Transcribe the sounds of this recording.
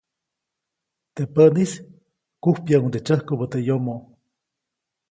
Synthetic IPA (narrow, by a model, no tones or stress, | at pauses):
t̪epənis | kuhpjaunt̪et͡ʃəhkopət̪ejomoʔ